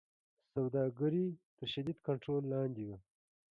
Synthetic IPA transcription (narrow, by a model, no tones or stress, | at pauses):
sawd̪ɑːɡəɾit̪əɾʃɐd̪id̪kaɳʈɾoːlːɑːnd̪iwa